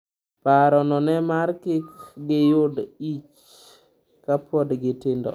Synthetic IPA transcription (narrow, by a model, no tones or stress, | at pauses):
paɾɔnɔnɛmaɾkɪkɡɪjodit͡ʃ | kapɔdɡɪtendɔ̰